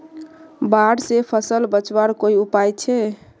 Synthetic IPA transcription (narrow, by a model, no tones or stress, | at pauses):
baɽsepʰəsəlbət͡ʃbaɾkoiupajt͡ʃʰɛ